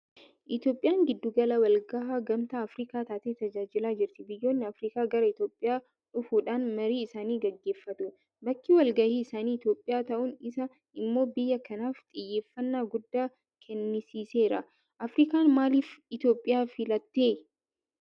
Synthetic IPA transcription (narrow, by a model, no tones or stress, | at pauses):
ʔɪt̪jo̞ːpʼːɪjaːŋɡɪd̪ːʊɡɐlɐwɐlɡɐʔaːɡɐmt̪aːɐfɾiːkaːt̪aːt̪eːt̪ɐd͡ʒaːd͡ʒɪlaːd͡ʒɪɾt̪ɪbɪjːo̞ːnːɪɐfɾiːkaːɡɐɾɐɪt̪jo̞ːpʼːɪjaː | ᶑʊfuːᶑaːnmɐɾiːɪsaːniːɡɐɡːeːfːɐt̪ʊ | bɐkːiwɐlɡɐhiːɪsaːniːɪt̪jo̞ːpʼːɪjaːt̪ɐʔʊnɪsɐ | ɪmːo̞ːbɪjːɐkʰɐnaːft̪ʼɪjːe̞ːfːɐnːaːɡʊd̪ːaː | kʰɛnːɪsiːse̞ːɾɐ | ʔɐfɾiːkaːnmaːliːfɪt̪jo̞ːpʼːɪjaːfɪlɐt̪ːe̞ː